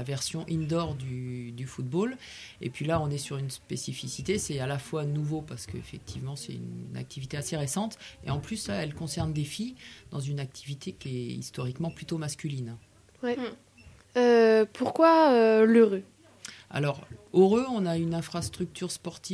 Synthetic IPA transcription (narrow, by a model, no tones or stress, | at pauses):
avɛʁsjɔ̃ʔind̪ɔʁd̪yd̪yfut̪̚bol | ḛpɥilaɔ̃nɛsyʁynspesifisit̪esɛalafwanuvopaʁsə̥kəḛfɛk̚t̪ʰivmɑ̃sɛ̰ty̰nna̰k̚t̪ʰivit̪easeʁesɑ̃t̪ḛɑ̃plyslaɛlkɔ̃sɛʁnd̪efid̪̥ɑ̃zynak̚t̪ʰivit̪ʰekʲiɛḭst̪ɔʁikmɑ̃plyt̪omaskʲylin | wɛ | øpuʁkwaøløʁø | a̰lɔʁoʁøɔ̃naynɛ̃fχast̪χyk̚t̪yʁspɔʁt̪i